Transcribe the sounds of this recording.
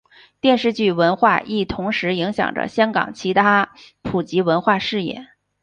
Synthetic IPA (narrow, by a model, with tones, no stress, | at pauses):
t̪jɛ˥˧nʂɻ̩˥˧t͡ɕy˥˩wə˧˥nxwa˥˧ʔi˥˩t̪ʰʊ˧˥ŋʂɻ̩˧˥i˧˥ŋɕjɑ̰˨˩ŋʈ͡ʂə̰˦˥ɕjɑ˥ŋkɑ̰˨˩ŋt͡ɕʰi˧˥t̪ʰa˥ | pʰu˨˩t͡ɕi˧˥wə˧˥nxwa˥˧ʂɻ̩˥˧jɛ̰˥˩˦